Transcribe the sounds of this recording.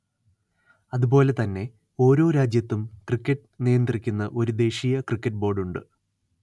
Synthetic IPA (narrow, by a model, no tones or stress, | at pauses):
ɐðubo̞ːle̞t̪ɐnːe̞ | o̞ːɾo̞ːɾaːd͡ʑjɐt̪ːumkrikʲːɐʈːɨnijɐnd̪rikʲːunːɐʔo̞ɾud̪e̞ːʂijɐkrikʲːɐʈ̚ːbo̞ːrɖuɳɖɨ